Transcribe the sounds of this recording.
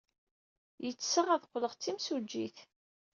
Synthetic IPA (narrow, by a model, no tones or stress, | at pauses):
jət͡sːsəʁæðqːləʁt͡sːimsud͡ʒːiθ